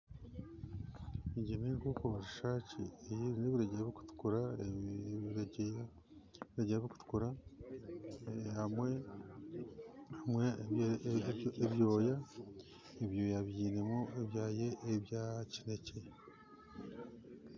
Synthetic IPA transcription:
iɟemiŋkukuβaʃiʃaːt͡ʃiejiɾineβiɾeɟeɾaβiku̥tu̥kuɾa | iɾeɟe | βiɾeɟeɾaβiku̥tu̥kuɾa | hamwe | hamwe | eβjo̞ːja | eβjoːjaβiːne̞moeβjaːjeʔːβjacine̞ce̞

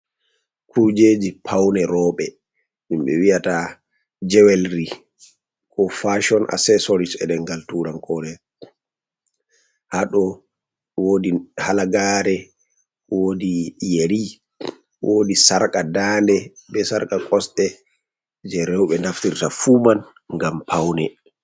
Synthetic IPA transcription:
kʰuɾd͡ʒeːd͡ʒipʰawnɛɾɔɓɛ | minɓɛ̰wiata | d͡ʒɛwɛlɾi | kʰɔfaʃɔnʔa̰sɛsɔɾit͡ʃɛɗɛŋɡaltuɾankʰɔɾɛ | haɗɔ | woːdihalaɡaɾɛ | wodijeɾi | wʔodisaɾkʼadaːndɛbɛsaɾkakʼɔsɗɛ | d͡ʒɛɾɛwɓɛnaftiɾtafuːman | ŋɡampʰawnɛ

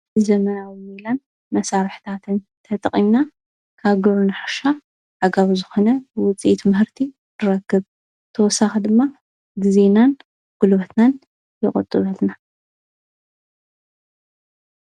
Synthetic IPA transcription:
zɐmɐnawimilan | mɐsaɾħt̪ʰat̪ʰɨn | t̪ʰɐt̪ʼɐχʼimnːa | kʰaβɡɨʕunɨħaʃa | ʕaɡaβzɨxo̞nɐbwʊt͡sʼiʔit̪mɨhɨɾt̪ʰi | nɨɾɐkːɨβ | t̪ʰɐwɔsːaxɐd̪ɨmːa | ɡɨzenan | ɡ̥ulβɐt̪nan | jɪχʼɨ̰t̪ʼːɨβɐlna

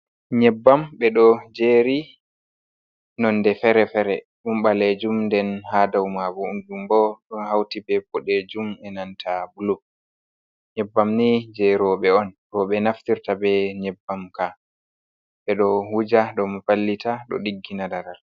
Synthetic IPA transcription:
ɲɛbːamɓɛɗɔd͡ʒeːɾi | nɔndɛfɛɾɛfɛɾɛ | ɗumɓaled͡ʒumndɛnhaːdawmabɔunɗumbɔɗɔnhawtibɛbɔɗed͡ʒumɛnantʰabulu | ɲɛbːamnid͡ʒɛɾɔɓɛɔnɾɔɓɛnaftiɾtabɛɲɛbːamka | ɓɛɗɔhud͡ʒaɗɔmafalːitʰaɗɔ̰ɗiɡːinadaɾal

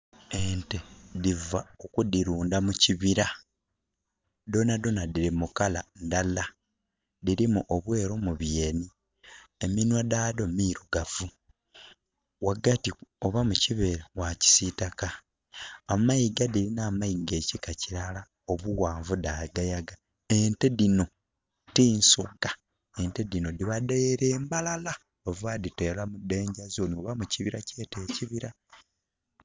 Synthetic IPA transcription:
entedivaokudiɾuːndamuciβiɾa | do̞nado̞nadiɾimukala̰ndala | diɾimuʔoβwe̞ːɾomuβje̞ːni | eminwadaːdo̞miɾuɡavu | waɡatio̞βamuciβeɾewaci̥sitakaː | maiɡadilinaːmaiɡe̞ːcikaciɾala | oβuwaːɱvudaiɡajaɡa | enteðino̞ | tiːnsoɡa | e̞nteðino̞diβadeeɾe̞ːmbalala | ovaːditeːlamude̞ːɲɟazoːnioβamuciβiɾace̞ːte̞ːciβiɾa

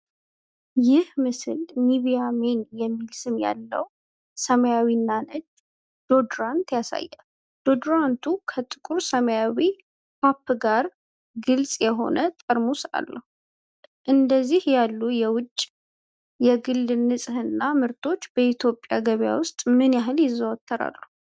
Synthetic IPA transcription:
jɪhmɨsɨ̰lmiβijamenjɛmːilsɨnja̰lːə̰w | səməjawinːanɨd̪ | d̪̥o̞d̪ɾant̪jasa̰jːɛ | d̪̥o̞d̪ɾant̪ʰukʰət̪ʼɨkʼuɾsəməjawi | papːɡaɾ | ɡɨlsʼjɛɦo̞̰nʔət̪ʼəɾmusa̰lːəhu | ʔɨnd̪əzːihjalːujɛwʊt͡ʃʼː | jɛɡɨlːnɨsʼhɨnːamɨɾt̪ʰo̞t͡ʃːb̥əit̪ʰjo̞pʼːja̰ɡəβja̰wʊst̪ʼmɨnjaɦɨljɪzːəwɔt̪ʰːəɾa̰lːu

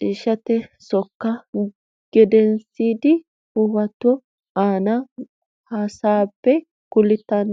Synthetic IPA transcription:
t͡ʃiːʃɐt̪ɛsɔkːɐ | ɡ̥ɛd̪ɛnsiːd̪ɪ | hʊwɐt̪ːɔ | aːnɐ | hɐsaːpːɛ | kʊlɪt̪ːɐn

